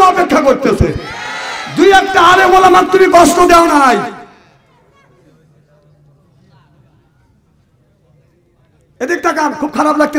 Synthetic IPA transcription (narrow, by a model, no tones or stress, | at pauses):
ɔpekʰːakoɾt̪et͡ɕʰe | d̪ujɛk̚ʈaalebolamak̚t̪umikɔʃʈod̪eonaɦɔj | ed̪ek̚ʈakakʰub̚kʰaɾablaɡ̚t̪e